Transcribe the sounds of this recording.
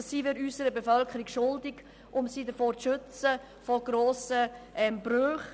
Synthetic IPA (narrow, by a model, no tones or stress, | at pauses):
ssiːvɪɾyːsəɾəbefœlkəɾikʃʊldɪɡ | ʔʊmsiːdəfoːt͡sʃʏt͡sə | fɔɡɾoːsəʔɛmb̥ɾøχ